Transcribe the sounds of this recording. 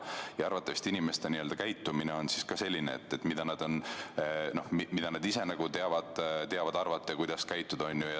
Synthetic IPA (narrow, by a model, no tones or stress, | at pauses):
jɑɑrvɑt̪ːˑɑvist̪inimest̪eniø̞ld̪̥ɑkæjt̪ːˑumineo̞nsiskɑse̞lʲːineḛt̪ːe̞t̪ːˑmid̪̥ɑnɑd̪̥o̞n | no̞hmimid̪̥ɑnɑd̪ise̞nɑɡ̥ut̪eɑvɑd̪̥t̪eɑvɑd̪̥ɑrvɑt̪ːˑekujd̪̥ɑskæjt̪ˑːud̪̥o̞nʲːjujɑ